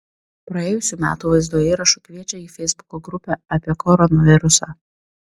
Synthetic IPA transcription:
pɾɐeːjʊsʲuːmʲæ̰ːt̪uːʋɐɪzd̪uɔjɛiːɾɐʃuˑkʋʲiɛt͡ʃʲɛiːfʲɛɪzbʊkoɡɾʊpʲɛɐpʲiɛkʰɔɾɔnɔʋʲɪɾʊsɑː

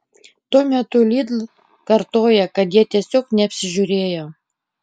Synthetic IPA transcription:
t̪uɔmʲɛt̪ʊlʲiːd̪lˠ | kɐɾt̪oːjɛkɐt̪jiɛt̪ʲiɛsʲoːknʲɛɐpʲsʲɪʒʲʊɾʲeːjoː

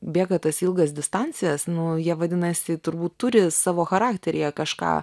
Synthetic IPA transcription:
bʲeːɡɐt̪ɐsilˠɡɐsd̪ʲɪst̪ɑnʲt͡sʲɪjɛsnʊjiɛʋɐd̪ʲɪnɐsʲɪt̪ʊɾbuːt̪t̪ʊɾʲɪsɑːʋoːxɐɾɑːkt̪ʲɛɾʲɪjɛkɐʃkɑ̰ː

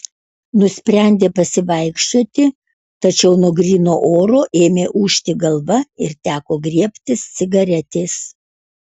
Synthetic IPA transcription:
nʊsʲpʲɾʲɛnʲd̪ʲeːpɐsʲɪʋɐɪkʃt̪oɔt̪ʲɪ | t̪ɐt͡ʃʲɛʊnoɔɡɾʲiːnoːʔoːɾoːʔeːmʲeːʔuːʃʲt̪ʲɪɡɐlˠʋɐɪɾt̪ʲæːkoːɡɾʲiɛpʲt̪ʲɪst̪sʲɪɡɐɾʲɛt̪ʲeːs

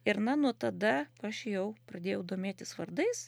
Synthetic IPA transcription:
ɪɾnɐnuɔt̪ɐd̪ɐɐʃjɛʊpɾɐd̪ʲeːjɛʊd̪oːmʲeːt̪ʲɪsʋɐrd̪ɐɪs

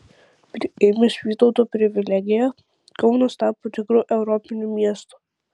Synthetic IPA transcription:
pʲɾʲɪemʲɪsʲʋʲiːt̪ɔʊt̪oːpʲɾʲɪʋʲɪlʲæɡʲɪjɛ | kɒʊnɐst̪ɑːpoːt̪ʲɪkɾuːʔɛʊɾɔpʲɪnʲumʲiɛst̪u̥ː

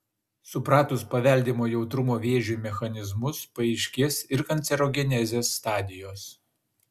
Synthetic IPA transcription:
sʊpɾɑːt̪ʊspɐʋʲɛˑlʲd̪ʲiːmoːjɛʊt̪ɾʊmoːʋʲeːʒʲumʲɛxɐnʲɪzmʊspɐɛɪʃʲkʲɪsɪɾkɐnʲt̪sʲɛɾoːɡʲɛnʲɛzʲeːsːt̪ɑːd̪ʲɪjoːs

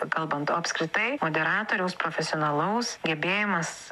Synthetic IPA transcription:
kɐlˠbɐnt̪oːɐpʲskɾʲɪt̪ɐɪmoːd̪ʲɛɾɑːt̪oːɾʲɛʊspɾoːfʲɛsʲɪoːnɐlˠɐʊsɡʲɛbʲeːjɪmɐs

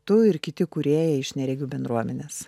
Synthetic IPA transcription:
t̪ʊɪɾkʲɪt̪ʲɪkʊɾʲeːjɛɪʃʲnʲɛɾʲɛɡʲubʲɛnd̪ɾuɔmʲɛnʲeːs

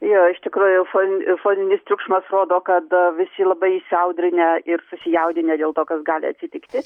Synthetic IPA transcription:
joːɪʃt̪ʲɪkɾuːjʊfoːnʲfoːnʲɪnʲɪst̪ʲɾʲʊkʃmɐsroːd̪oːkɐt̪ʋʲɪsʲɪlˠɐbɐɪɪsʲɐʊd̪ʲɾʲɪnʲɛɪrsʊsʲɪjɛʊd̪ʲɪnʲɛd̪ʲeːlˠt̪oːkɐsɡɑːlʲɪ̰ɐ̰t̪sʲɪt̪ʲɪkt̪ʲɪ

